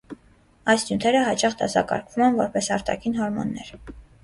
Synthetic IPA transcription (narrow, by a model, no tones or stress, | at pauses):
ɑjsjunt̪ʰɛɾəɦɑt͡ʃɑχd̪ɑsɑkɑ̰ɾkʰvumɛnvɔɾpɛsɑɾt̪ɑ̰kʰinɦɔɾmɔ̰nːɛɾ